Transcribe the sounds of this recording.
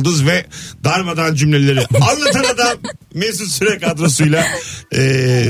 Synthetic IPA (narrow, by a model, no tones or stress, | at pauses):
d̪ɯzvɛd̪aɾmad̪and͡ʒymlʲelʲe̞ɾianlˠat̪ʰɯnad̪amːɛs̬usyɾɛkad̪ɾosujlˠaː